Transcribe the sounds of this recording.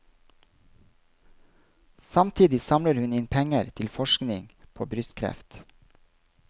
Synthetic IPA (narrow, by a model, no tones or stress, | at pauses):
sɑmt̪ʰiːd̪ɪsɑmləɾhʉnɪnpʰɛŋəɾt̪ʰɪlfɔʃknɪŋpʰo̰ːbɾʏst̪kʰɾɛ̰ft̪